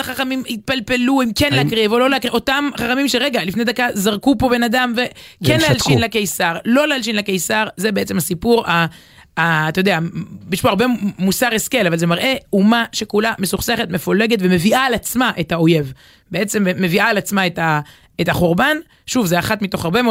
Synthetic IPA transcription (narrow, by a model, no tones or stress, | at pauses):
aχaχamimit̪̚palpe̞luimkenleakʁivolo̞leakʁio̞t̪amχaχamimʃeʁeɡalifned̪akazaʁkupo̞be̞nad̪amvekenlealʃiinlakejsaʁlo̞lealʃinlekejsaʁze̞beet͡se̞mhasipuʁaː | t̪ajo̞d̪eabiʃpoaʁbemusaʁe̞ske̞lavalze̞maʁʔe̞umaʃe̞kulamesuχse̞χet̪me̞fole̞ɡe̞t̪ve̞me̞viʔaːlat͡smaʔetao̞je̞v | beet͡se̞mːe̞viaːlat͡smaeta | etaχoʁban | ʃuvzeaχat̪mit̪o̞χaʁbemo